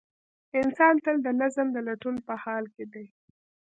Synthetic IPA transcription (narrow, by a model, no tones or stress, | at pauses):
ɪnsɑnt̪əld̪ənazəmd̪əlaʈunpəhɑlked̪aj